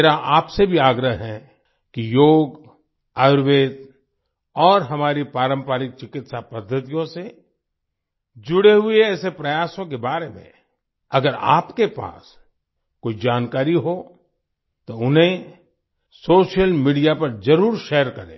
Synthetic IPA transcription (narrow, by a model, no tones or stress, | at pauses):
eɾaʔaːpsebʱiaːɡɾəɦɦɛ | kijoːɡ | aːɾʋeːd̪ | ɔːɾɦɐmaːɾipaːɾə̃mpaːɾɪk̚t͡ʃɪkɪt̪sapɐd̪ʱːət̪ijõse | d͡ʒʊɽeɦʊeɛːsepɾɐjaːsõk̬ebaːɾemḛ̃ | ɐɡəɾa̰ːpkepa̰ːs | koːid͡ʒaːnkaːɾiɦo | t̪oʊnɦẽ | soːʃijəlmiːɖijapɐɾd͡ʒɐɾuːɾʃɛːəɾkɐɾḛ̃ː